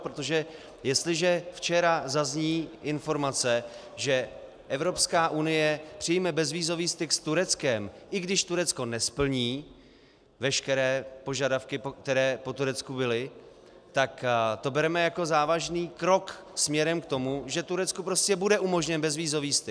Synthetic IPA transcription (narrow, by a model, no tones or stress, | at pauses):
pɾot̪o̞ʒɛ | jɛst̪lɪʒɛft͡ʃɛɾazazɲiːʔɪnfo̞ɾmat͡sɛ | ʒɛ | ʔɛvɾo̞pskaːʔunɪjɛpr̥ɪjmɛbɛzviːzo̞viːst̪ɪkst̪uɾɛt͡skɛmʔɪɡdɪʃt̪uɾɛt͡sko̞nɛspl̩ɲiː | vɛʃkɛɾɛːpo̞ʒadafkɪkt̪ɛɾɛːpo̞t̪uɾɛt͡skubɪlɪ | t̪akt̪o̞bɛɾɛmɛjako̞zaːvaʒniːkɾo̞ksmɲɛɾɛmkt̪o̞muʒɛt̪uɾɛt͡skupɾo̞scɛbudɛʔumo̞ʒɲɛnbɛzviːzo̞viːst̪ɪ